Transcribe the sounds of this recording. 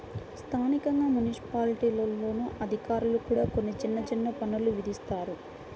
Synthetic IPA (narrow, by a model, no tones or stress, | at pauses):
st̪ʰaːnikɐŋɡaːmunisi̥paːliʈiːlɐlːo̞ːnuʔɐd̪ʱikaːɾulukuːɽaːkonːit͡ʃinːɐt͡ʃinːɐpɐnuluʋid̪ist̪aːɾu